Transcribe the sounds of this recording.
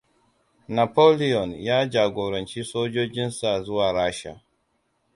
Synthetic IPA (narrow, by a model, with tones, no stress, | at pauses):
na˨po˦li˦jɔ˨njaː˦d͡ʒaː˨ɡo˨ɾɔ˨nt͡ʃi˦soː˦d͡ʒo˦d͡ʒɪ˦nsa˨zu˦waː˨ɾaː˦ʃa̰˨